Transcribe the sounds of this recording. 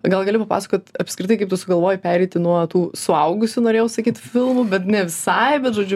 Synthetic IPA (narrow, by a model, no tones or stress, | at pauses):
ɡɐlˠɡɐlʲɪpɐpɑːsɐ̥koːt̪ʲɐpsʲkɾʲɪt̪ɐɪkɐɪpt̪ʊsʊɡɐlˠʋoːjɪpʲæːɾʲɛɪt̪ʲɪnuɔt̪uːsʊɐʊɡʊsʲʊnoːɾʲeːjɛʊsɐkʲiːt̪fʲɪlˠmʊbʲɛt̪nʲɛʋʲɪsɐɪbʲɛt̪ʒoːd͡ʒʲʊ